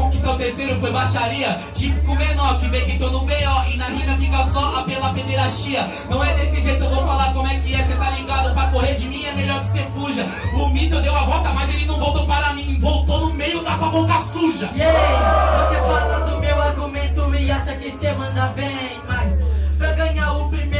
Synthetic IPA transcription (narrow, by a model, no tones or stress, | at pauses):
õkɪsõwt̪eɾsejɾʊfojbaʃaɾiɐ | t͡ʃipɪ̥kʊmenɔɾkɪvẽjkit̪onʊmejɐɪnahĩnɐfikɐsɔʔapelɐpẽnd̪eɾaʃiɐ | nɐ̃w̃ɛd̪esɪʒejt̪ʊewvowfalaɾkõmʊɛkɪɛset̪aɾlĩɡad̪ʊpɾɐkoheɾd͡ʒɪmĩɛmeʎɔɾkɪ̥sefuʒɐ | ʊmisewd̪ewɐvɔt̪ɐmazelɪnɐ̃w̃vowt̪owpaɾɐmĩvowt̪onʊmejʊd̪asabõkɐsuʒɐɛvosefalɐd̪ʊmewaɾɡumẽt̪ʊiaʃɐkɪsemɐ̃nd̪ɐbẽj̃mɐspɾɐɡɐ̃ɲaɾʊpɾime